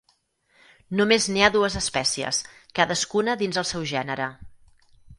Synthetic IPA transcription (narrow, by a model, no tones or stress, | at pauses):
numezniaðuəzəspɛsiə̰skaðəskunəðinzəlˠsɛwʒɛnəɾə